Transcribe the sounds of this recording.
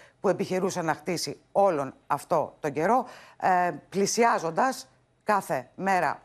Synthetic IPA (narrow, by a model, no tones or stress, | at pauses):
pue̞piçeɾusɐnɐxt̪isi | o̞lo̞nɐft̪o̞t̪o̞ɟe̞ɾo̞ | plisiɐzo̞nd̪ɐs | kɐθe̞me̞ɾɐ̰